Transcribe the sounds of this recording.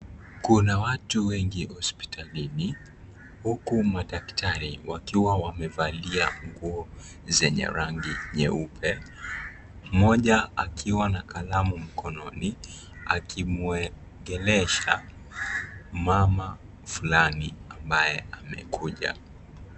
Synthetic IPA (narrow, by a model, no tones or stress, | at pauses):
kunawatuwɛŋɡihɔspi̥tʰalini | hukumaɗaktʰaɾḭwakiwawamɛvaliaŋɡuɔ | zɛɲɛ̰ɾaŋɡiɲɛ̰upʰɛ | mɔʄaa̰kʰiwanakalamum̩kɔnɔni | a̰kimuɛ | ŋɡɛlɛʃa | mama | fulaniambajɛʔamɛ̰kʰuʄa̰